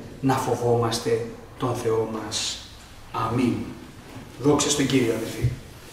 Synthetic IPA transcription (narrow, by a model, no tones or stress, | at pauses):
nɐfo̞vo̞mɐst̪e̞ | t̪o̞nθe̞o̞mɐs | ɐmin | ðo̞ksɐst̪oɟiɾioɐðelfi